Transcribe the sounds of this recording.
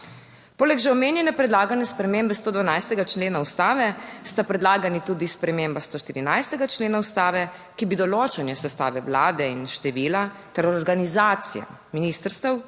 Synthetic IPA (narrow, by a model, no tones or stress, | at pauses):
poːlɛɡʒɛɔmeːnjɛnɛpɾɛd̪laːɡanjɛspɾɛmembɛst̪oːd̪ʋanajst̪ɛɡat͡ʃleːnaust̪aːʋɛst̪apɾɛd̪laːɡanit̪uːd̪ispɾɛmembast̪oːʃt̪iɾinajst̪ɛɡat͡ʃleːnaust̪aːʋɛ | kibid̪ɔloːt͡ʃɛnjɛsɛst̪a̰ːʋɛwlaːd̪ɛinʃt̪ɛʋiːlat̪ɛɾɔɾɡanizaːt̪sḭja̰ | miniːst̪əɾst̪ɛw